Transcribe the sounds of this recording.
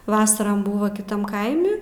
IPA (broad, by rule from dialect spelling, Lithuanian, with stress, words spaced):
ˈʋɑːsɐrɐm ˈbʊʋɐ kʲɪˈtɐm ˈkɐɪmʲɪ